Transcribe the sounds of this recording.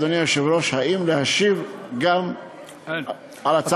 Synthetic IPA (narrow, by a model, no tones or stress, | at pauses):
d̪onimaʃivɾoʃhaʔimlehaʃivɡam | alat͡s